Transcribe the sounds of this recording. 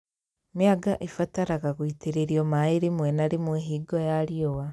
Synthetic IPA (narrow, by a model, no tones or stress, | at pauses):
mjaɡaʔefataɾaɣaɣoiteɾeɾiɔmaeɾemwɛnaɾemweɦiːɡɔjaɾiowa